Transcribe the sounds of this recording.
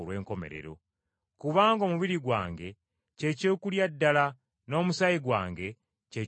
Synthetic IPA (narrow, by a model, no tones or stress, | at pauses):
ɾwe̞ːŋko̞me̞̰ɾḛɾo̞̰ | kuβaːŋɡo̞ːmuβiɾiɡwa̰ːŋɡe̞ | ce̞cekuljadːala | no̞ːmusajiɡwa̰ːŋɡe̞ | ce